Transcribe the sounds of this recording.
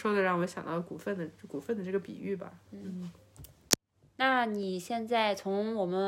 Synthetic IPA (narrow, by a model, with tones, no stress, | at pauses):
ʂwɔ˥d̪ə˨ɻɑ˥˩ŋwɔ˧˥ɕjɑ̰˨˩ŋt̪ɑ˥˩ʊku˨˩fə˥˩nd̪ə˩˥˩ku˨˩fə˥˩nd̪ə˩ʈ͡ʂɤ˥˩ɡə˩pḭ˨˩y˥˩bɐ̰˩n̩˥˩˥ | na˥˩ni˨˩ɕjɛ˥˧nt͡sa˥˩ɪt͡sʰʊ˧˥ŋwɔ˨˩mə˦